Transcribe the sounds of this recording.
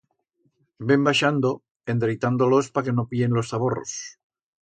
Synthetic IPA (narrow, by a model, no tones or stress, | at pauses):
be̞mbaʃand̪o̞ | e̞nd̪ɾejt̪and̪olo̞spake̞no̞pie̞nlo̞sθaβo̞ro̰s